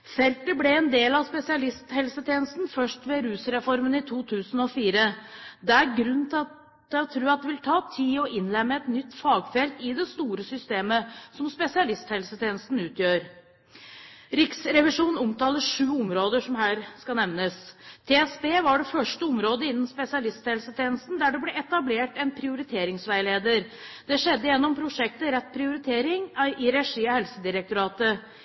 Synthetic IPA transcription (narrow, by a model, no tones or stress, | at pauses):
fɛlt̪əblɛɛnd̪eːlɑspɛsɪɑlɪst̪hɛlsət̪ʰjeːnəst̪nfœʂʈʋɛɾʉːsɾɛfɔɾmənɪt̪ʰuːt̪ʰʉːsən̩ɔfiːɾəd̪ɛæɾɡɾʉnnt̪ʰɑ | ɛɔt̪ʰɾʉːɑt̪̚d̪ɛʋɪlt̪ʰɑːt̪ʰiːɔʔɪnlɛmːəɛt̪nʏt̪ːfɑːɡfɛlt̪ɪd̪ɛst̪uːɾəsʏst̪eːməsɔmspɛsɪɑlɪst̪hɛlsət̪ʰeːnəst̪n̩ʉːt̪ʰjøːɾ | ɾɪksɾɛʋɪʂuːnn̩ʊmt̪ɑːləʂʉːʊmɾoːd̪əʂɔmhæːɾskɑnɛʋnəst̪ʰɛɛsbeːʋɑɖɛfœʂʈəɔmɾoːd̪əɪnːənspɛsɪɑlɪst̪hɛlsət̪ʰeːnəst̪n̩d̪æɖɛbleɛt̪ɑbleːʈɛnpʰɾɪʊɾɪt̪ʰeːɾɪŋsʋæɪleːd̪əɾd̪̥ɛʂɛd̪ːəjɛnːɔmpʰɾʊʂɛk̚t̪əɾɛt̪̚ːpʰɾɪʊɾɪt̪ʰeːɾɪŋʔɪɾɛʂiːɑhɛlsəd̪ɪɾək̚t̪ʊɾɑːt̪ə